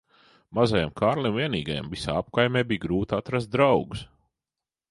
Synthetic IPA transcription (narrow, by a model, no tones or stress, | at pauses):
mazajamkʰaːɾlˠʲimviɛniːɡaja̰mvisa̰ːap̚kajmʲɛːbiːjɡɾuːt̪at̪ɾas̬t̪̚d̪ɾawɡus